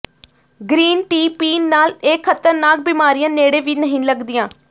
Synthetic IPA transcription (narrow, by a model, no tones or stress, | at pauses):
ɡɾiːnʈiːpiːnːaːleːkʰːət̪əɾnaːk̚biːmaːɾijãːneːɽẽːʋiːnəɦĩːləɡd̪ɪːãː